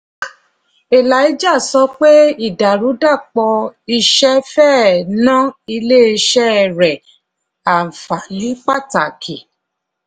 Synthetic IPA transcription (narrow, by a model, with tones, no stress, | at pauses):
e˨la˨˦ji˦d͡ʒa˦˨sɔ˧k͡pe˦i˦˨da˨ɾu˨˦da˦˨k͡pɔ˧i˧ʃɛ˦fɛː˦˨nã˦i˧le˦˨i˧ʃɛ˦˨ɾɛ˨ | a˨fa˨li˨˦k͡pa˦˨ta˨kʰi˨